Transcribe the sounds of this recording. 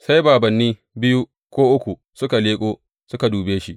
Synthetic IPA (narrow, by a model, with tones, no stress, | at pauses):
sa˦jbaː˨bɐ˨nːiː˦ | bɪ˦ju˦ | kʷoː˦ʔʊ˦kʷu˨ | sʊ˦ka˨leː˦kʼoː˦ | sʊ˦ka˨duː˨beː˦ʃi˦ʔ